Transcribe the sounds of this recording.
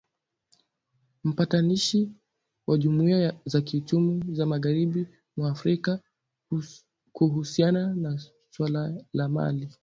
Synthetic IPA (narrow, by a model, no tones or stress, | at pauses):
m̩pataniʃi | wʔaʄumuiazakiut͡ʃumuzamaɣaɾiɓi | mwaːfɾika | kuɦusianana | swalalama̰li